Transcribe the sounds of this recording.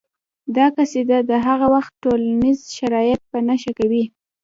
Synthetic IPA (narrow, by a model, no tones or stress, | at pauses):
d̪ɑkased̪ad̪əɦaɣawaxt̪̚ʈolanizʃaɾɑjɪt̪̚pənaʃakawi